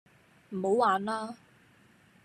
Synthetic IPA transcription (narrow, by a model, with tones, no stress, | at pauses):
m̩˨˩ho˨˧waː˨nlaː˥